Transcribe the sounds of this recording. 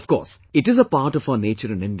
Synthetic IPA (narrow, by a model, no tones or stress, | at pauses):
ʌfkɔ̰ːɾsɪʈɪzəpaːɾʈɔfaneːt͡ʃəɾɨ̃nɪ̃nɖ